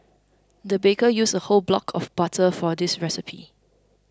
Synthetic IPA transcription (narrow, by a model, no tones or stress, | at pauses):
dəbekəjusəholblɔ̰kʰɔfb̥atʰəfɔdɪsɹɛsɪpʰḭ